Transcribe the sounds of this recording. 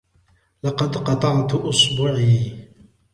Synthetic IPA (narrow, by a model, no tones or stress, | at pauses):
lɑqɑd̪qɑt̪ˤɑʕt̪ʔʊsbuʕiː